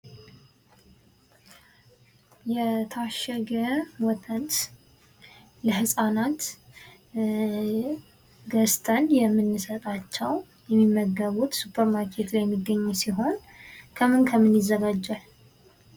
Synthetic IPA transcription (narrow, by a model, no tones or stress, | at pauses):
jɛt̪ʰaʃɛɡəwɔt̪ʰənt̪ | ləɦɨsʼanat̪ | ɡəst̪ʰʼənjɛmːɨnːɨsət̪ʼat͡ʃːɛw | jɛmːimːəɡəβut̪supʰːəɾmaɾkʰet̪lajɛmːiɡːəɲːusiɦo̞n | kʰəmɨnkʰəmɨnjɪzːəɡad͡ʒːal